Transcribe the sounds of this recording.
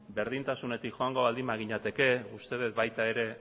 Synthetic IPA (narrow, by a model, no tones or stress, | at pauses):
be̞ɾð̞int̪asune̞t̪ikʝo̞aŋɡo̞βald̪imaɣ̞iɲat̪e̞ke̞ust̪e̞ðet̪̚bajt̪ae̞ɾe̞